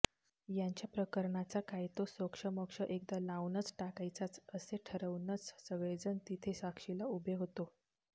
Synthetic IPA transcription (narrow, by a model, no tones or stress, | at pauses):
jaɲt͡ɕjapɾəkəɾɳat͡sakajt̪osokʂəməkʂəʔek̚d̪alawnət͡sʈakajt͡sat͡səseʈʰəɾəʋnət͡ssəʋed͡zənt̪it̪ʰesakʂilaubʱeɦot̪o